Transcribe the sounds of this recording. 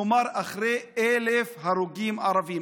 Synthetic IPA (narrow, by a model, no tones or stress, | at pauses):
omaɾʔaχɾeelefhaɾuɡimaɾavi